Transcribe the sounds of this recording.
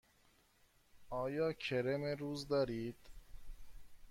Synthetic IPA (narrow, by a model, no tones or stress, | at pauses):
ɒːjɒːkʰeɾemeɾuːzd̪ɒːɾiːd̪̥